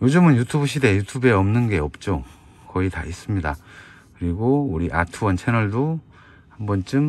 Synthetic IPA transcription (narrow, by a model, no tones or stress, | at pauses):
jod͡ʑɯmɯnjutʰubuɕ̬ʰidejutʰube̞ʌmnɯnɡe̞ʌp̚t͡ɕ͈o | kʌita̰is͈ɯmɲida | kɯɾiɡouɾiʔa̰tʰuwʌnt͡ɕʰe̞nʌɭdo | hambʌnt͡ɕ͈ɯm